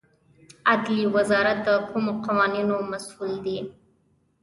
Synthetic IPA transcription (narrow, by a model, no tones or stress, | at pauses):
ad̪liwazɑɾat̪̚d̪əkʰumoqawɑninomasuld̪e